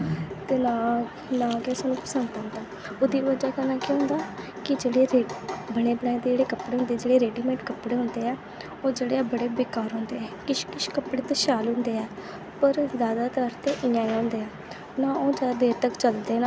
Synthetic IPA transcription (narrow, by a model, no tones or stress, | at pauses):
t̪eːnaː | nãːkɛːsaːnũːpəsənd̪and̪aː | oːd̪iːʋəd͡ʒaːkənãːkeɦʊ̃nd̪aː | kɪd͡ʒeːɽeːɾeːbəɽeːbəɳaːẽːd̪eːd͡ʒeːɽeːkəpɽeːɦʊ̃nd̪eːd͡ʒeːɽeːɾeːɖiːmẽːʈkəpɽeːɦʊnd̪eːɛː | oːd͡ʒeːɽeːbəɽeːbeːkaːɾɦʊ̃ːnd̪eːɛːkɪʃkɪʃkəpɽeːt̪aːʃaːlɦʊ̃nd̪eːɛː | pəɾzjaːd̪aːt̪əɾt̪eːʔɪjãːiãːʊnd̪eːɛː | nãːoːd͡ʒaːd̪eːɾt̪əkt͡ʃəld̪eːnaː